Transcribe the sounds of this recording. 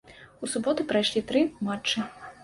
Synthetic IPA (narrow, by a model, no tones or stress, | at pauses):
usubɔt̪ɨpɾajʂlʲit̪ɾɨmat͡ʂːɨ